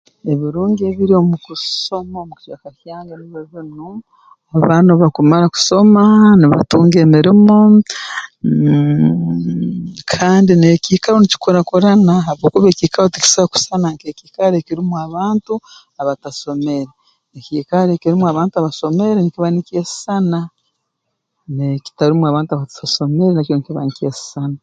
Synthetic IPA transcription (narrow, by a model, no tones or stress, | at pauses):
e̞βiɾuːŋɡeβiɾiomukusso̞maomuki̥ʃakahaːŋɡaniβoβinu | aβaːnuβakumaɾaku̥so̞maniβa̰tuːŋɡeːmiɾimo | kʰaːndinekiːkaɾonici̥koɾakuɾanaɦaβoːkuβeciːkaɾotiki̥saβaku̥sanaŋkekiːkaɾekiɾimwaβaːntu | aβataso̞meɾe | ekiːkaɾekiɾimwaβaːntuaβaso̞me̞ɾenikiβanikesi̥sana | neki̥taɾimuaβaːntuaβataso̞me̞ɾenaconikiβanikesi̥sana